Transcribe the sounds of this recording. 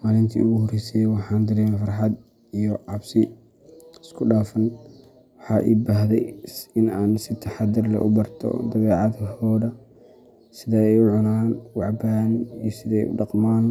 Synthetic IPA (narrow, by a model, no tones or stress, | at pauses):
maːlɪnt̪ʰḭːʊɣʊhɔrɛːsɛjwɑħɑːnd̪ɪɾɛːmfɑrħɑd̪ | ijɔʕɑbsɪ | ɪskʰʊɖaːfɐn | wɑħɑːʔḭːbaːɦðɛjɪnaːnsɪt̪ʰɐħɑd̪ɪrlɛ̰ʔʊbɐrt̪ʰɔ̰d̪ɐβɛːʕɑðɦɔːðɐ | sɪðɐɛjʊʕʊnaːnwɑʕbaːnijɔsɪðɛjʊ̰ɖɑqmaːn